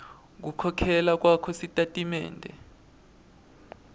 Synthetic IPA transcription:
k̬ukʰɔkʰɛlak̬ʼwakʰɔsitʼatʼimɛ̰ːndʱɛ̰

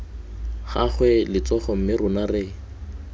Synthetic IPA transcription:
χaχwɛlɪt͡sɔχɔm̩mɪrʊnarɪ

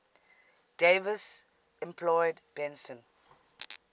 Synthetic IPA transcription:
d̥evəs | ɛ̃mpʰlɔɪdbɛ̃nsə̃n

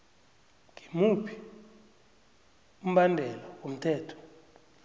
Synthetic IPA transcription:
ŋimupʰi̥ | um̩ɓandʱɛlɔkom̩tʰɛːtʰɔ̥

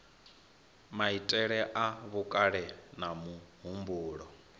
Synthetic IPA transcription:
maitʼɛɺɛʔaβukʼaɺɛnamuɦumbuːɺɔ

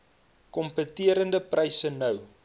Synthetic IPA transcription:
kɔmpətiəɾəndəprʔɐjsənɐw

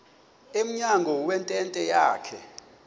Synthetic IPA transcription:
em̩ɲaŋɡʱɔwɛntʼɛntʼɛjaːkʰɛ

